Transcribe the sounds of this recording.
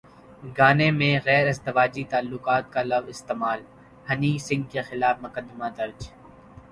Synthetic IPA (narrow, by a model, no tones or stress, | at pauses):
ɡaːnemẽɣɛːɾɪzd̪ɪʋaːd͡ʒit̪aːlːʊqaːt̪̚kalɐʋɪst̪eːmaːl | hɐniːsɪ̃ŋɡkexɪlaːfmʊkəd̪ːɪmad̪ɐɾd͡ʒ